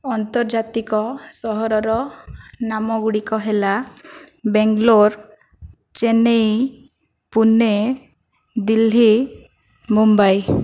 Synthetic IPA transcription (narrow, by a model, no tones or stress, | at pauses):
ɔnt̪ɔɾd͡ʒat̪ikɔsɔɦɔɾɔɾɔnamɔɡuɽikɔɦela | beŋɡloɾ | t͡ʃenej | pune | d̪ili | mumbaj